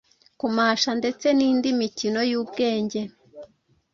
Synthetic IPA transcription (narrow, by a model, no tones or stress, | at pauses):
kumaːʃande̞t͡se̞niːndimicino̞juːbɡe̞ːɲɟe̞